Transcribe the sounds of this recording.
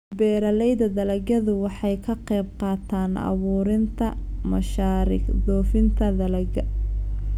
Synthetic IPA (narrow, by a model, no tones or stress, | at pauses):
bɛːɾɐlɛjðɐðɐlɐɡɐðʊwɑħɑjkʰɐqɛjbqɑːt̪ʰaːnʔɑ̰βuːɾɪnt̪ʰɐmɐʃaːɾɪ̰ɡd̪ɔːfɪnt̪ʰɐðɐlɐɡɐ